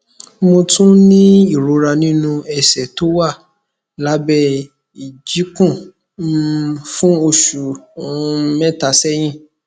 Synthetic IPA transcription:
mo˧tũ˦nĩ˦i˦˨ɾo˨˦ɾa˧nĩ˦nũ˧ɛ˧˨sɛ˨to˦wa˦˨ | la˨˦bɛ˧ | i˨d͡ʒi˨˦kũ˦˨ | fũ˦o˧ʃu˨˦ | mɛ̃˦˨ta˨˧sɛ˦j̃ĩ˦˨

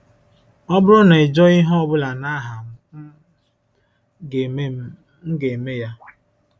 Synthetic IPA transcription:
ɔ˦bʊ˦ɾʊ˦na˨e˨d͡ʒɔ˦i˦ɦɔ˦ɔ˦bʊ˦la˨na˦ɦa˨m̩˨˦˨ | ŋ̩˦ɡe˨e˨me˦ja˦

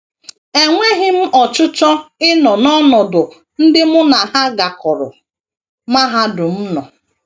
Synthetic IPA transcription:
e˨ŋʷe˦ɦɪ˦m̩˦ʔɔ˨t͡ʃʊ˦t͡ʃɔ˦ɪ˦nɔ˨nɔ˦nɔ˨dʊ˨ | n̩˦dɪ˦mʊ˦na˨ha˦ɡa˨kʊ˨ɾʊ̰˨ | ma˦ɦa˦dʊ˨m̩˦nɔ˨

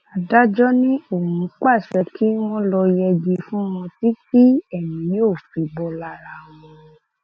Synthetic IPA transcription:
a˨da˦d͡ʒɔ˦nĩ˦o˦˨hũ˨˦k͡pa˦˨ʃɛ˧ki˦mɔ̃˦lɔ˧jɛ˧d͡ʒi˧fũ˦w̃ɔ̃˧ti˦ki˦ɛ˦˨nĩ˨˦joː˦˨fi˨˦bɔ˧la˧˨ɾa˨w̃ɔ̃˧

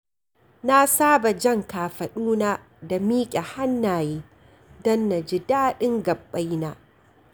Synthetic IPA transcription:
na˦saː˦ba˨d͡ʒɐ˦˨ŋkaː˨ɸɐ˨ɗuː˦naː˦ | da˨miː˦kʲʼa˨ha˦nːaː˨jeː˦ | dɔ˦nːa˨d͡ʒɪ˦daː˦ɗɪ˦ŋɡɐ˨bːa˦jnaː˦

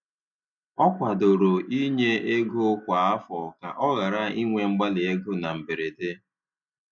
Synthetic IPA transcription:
ɔ˦kʷa˨do˨ɾo˨ʔi˦ɲe˦e˦ɡu˦kʷa˨˦a˦fɔ˨ka̰˨ʔɔ˦ɣa˨ɾa˦i˦ŋʷe˨ŋ͡m̩˦ɡ͡ba˦lɪ˨e˦ɡʊ˦na˨m̩˨be˨ɾe˨te˦

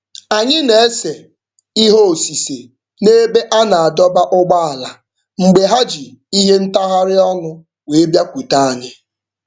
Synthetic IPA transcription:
a˨ɲɪ˦ne˨˦se˨ | i˦ɦo˦o˨si˨se˨ | ne˦be˦ʔa˦na˨a˨dɔ˦ba˦ʔʊ˦ɡ͡ba˦a˨la˨ | ŋ͡m̩˨ɡ͡be˨ɦa˦d͡ʒi˨i˦ɦe˦n̩˦ta˦ɦa˦ɾɪ˦ɔ˦ŋʊ˦ | we˨e˦bja˦kʷu˨ta˦a˨ɲɪ˦

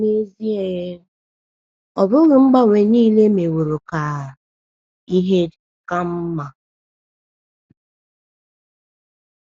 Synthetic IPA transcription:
me˦zi˦e˨e˦ | ɔ˨bʊ˦ɣʊ˨ŋ͡m̩˦ɡ͡ba˦ŋʷe˨niː˦le˦me˨wo˨ɾo˨ka˨ | i˦ɦe˦ | ka˦m̩˦ma˨

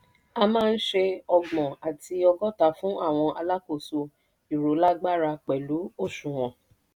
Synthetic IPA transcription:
a˧mãː˦˧n̩˦ʃe˧ɔ˧ɡ͡bɔ̃˨a˨ti˧ɔ˧ɡɔ˦ta˦˨fũ˨˦a˦˨w̃ɔ̃˧ʔa˧la˦ko˦˨so˧ | i˨ɾo˨˦la˦ɡ͡ba˦ɾa˧k͡pɛ˨lu˨˦o˦˨ʃũ˨w̃ɔ̃˨

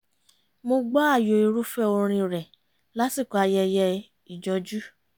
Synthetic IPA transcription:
mo˧ɡ͡ba˦a˦˨jo˨i˧ɾu˦fɛ˦o˧ɾ̃ĩ˧ɾɛ˨ | la˦si˦˨kɔ˨˧a˧jɛ˧jɛ˧ | i˨d͡ʒɔ˧˦d͡ʒu˦

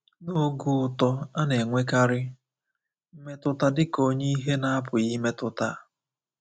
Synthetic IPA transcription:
no˦ɡu˦ʊ˨tɔ˦a˦ne˨ŋʷe˦ka˦ɾɪ˦ | m̩˦me˦tʊ˦ta˦dɪ˦ko˦ɲe˦i˦ɦe˦na˦a˦pʊ˨ji˦me˦tʊ˦ta˦˨

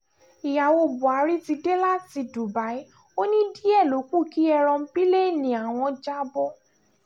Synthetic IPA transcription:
i˨ja˨wo˧bu˨a˨˧˦ɾi˦ti˧de˦la˦ti˧du˨ba˨˦i˦ | o˦nĩ˦di˦ɛ˦˨lo˨˦ku˦˨ki˨˦ɛ˧ɾɔ̃˧m̩˦bi˦le˦˨nĩ˨a˨w̃ɔ̃˧d͡ʒa˦bɔ˦

